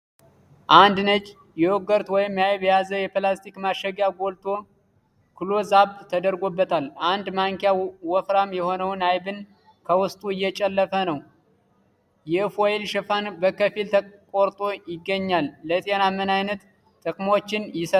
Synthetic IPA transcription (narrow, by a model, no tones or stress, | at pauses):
ʔand̪nət͡ʃʼ | jɛwoɡəɾt̪wɔjɪmjajβjazəjɛplast̪ʰikmaʃəɡjaɡo̞lt̪ʰʼo̞ | kʰɨlo̞zaβt̪ʼt̪ʰəd̪əɾɡo̞bːət̪ʰaland̪maŋkejawɔfɾamjɛho̞nəwnajbɨn | kʰəwʊst̪ʼuɨjːɛt͡ʃʼəlːəfənəw | jɛfoelʃɛfanbəkəfilt̪ʰəkʼoɾt̪ʼo̞jɪɡːəɲːalːət̪ʼenamːənajnət̪ːʼ | ɨkʼmot͡ʃːɪnjɪsə